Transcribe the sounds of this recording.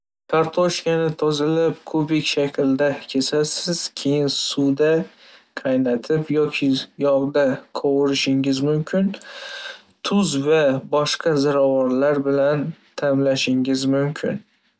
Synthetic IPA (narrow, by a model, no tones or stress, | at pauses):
kʰaɾt̪ʰoʃkʲanɪt̪ʰozɪlɪpkʰɵpɪkʲʃakʲʰld̪akʲʰesasɪz̥kʲʰe̞jɪnsud̪a | qʰɑjnat̪ʰɪpjɒkʲʰɪjɒʁd̪aqʰoʁʊɾɪʃɪŋɪzmʊmkʲʰɪn | t̪ʰʊzvabɒʃqʰɑzaɾavɒɾlaɾbɪlant̪ʰamlaʃɪŋɪzmʊmkʲʰɪ̰n